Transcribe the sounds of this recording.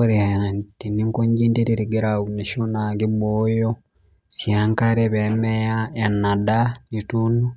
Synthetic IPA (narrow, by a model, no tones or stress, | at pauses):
oɾehaantiniŋkoɲɟiːntiɾiɾiɡeɾauniʃonaɡiβojo | sjaːŋkaɾeβemejaenadaɲituno